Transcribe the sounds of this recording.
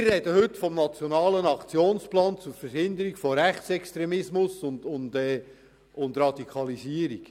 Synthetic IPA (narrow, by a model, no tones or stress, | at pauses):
mɪrːɛd̥əhɵtfɔmnɑt͡sjɔnɑːlənɑkt͡sjoːnsplɑːnt͡sʊɾfəɾhɪnd̪əɾikfoɾæχt͡sɛkst̪ɾɛmɪsmʊsʊndʊndɛː | ʊnd̪ɾɑd̥ikʰɑlisiəɾik